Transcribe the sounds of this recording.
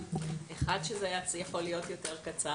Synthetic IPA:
ʔeχadʃezejat͡sijaχolijo̞tjo̞te̞ʁkat͡sa

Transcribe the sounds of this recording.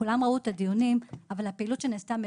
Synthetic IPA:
ulamʁauet̪ad̪ijunimavalapeilut̪ʃe̞neːst̪am

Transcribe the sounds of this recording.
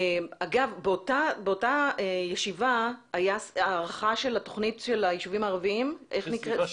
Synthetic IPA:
aɡavbeotabeotaejeʃivaajasaːʁaχaʃe̞lato̞χnitʃe̞lajiʃuvimaːʁaviimʔe̞χnikʁe

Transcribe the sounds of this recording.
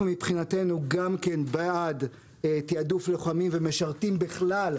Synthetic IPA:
mipχinate̞nuɡamke̞nbaad | etiadufleχamimveme̞ʃaʁtimbiχlal

